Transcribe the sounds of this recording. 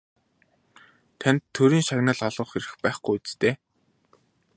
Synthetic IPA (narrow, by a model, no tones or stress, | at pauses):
t̪ʰanʲt̪ʰːɵɾiːŋʃaɣnaːɮɔɮɞ̆χxeɾɘ̆xpæːχɡujut͡st̪eː